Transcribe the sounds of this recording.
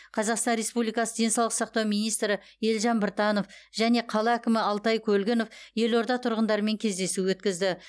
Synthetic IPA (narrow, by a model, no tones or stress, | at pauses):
qʰɑzɑqst̪ɑnɾe̞spublijkɑsəd̪e̞nsɑwlˠə̥qsɑq̚t̪ɑwmijnijst̪ɾɪ | e̞lʒɑnbɪɾt̪ɑno̞fʒ̥æne̞qʰɑlˠɑækʲɪmɪɑlˠt̪ɑjkʲʰɵlɡʲɪno̞fje̞lo̞ɾd̪ɑt̪ʰʊɾʁənd̪ɑɾəme̞ŋkʲʰe̞zd̪e̞suwɵt̪kʲɪzd̪ɪ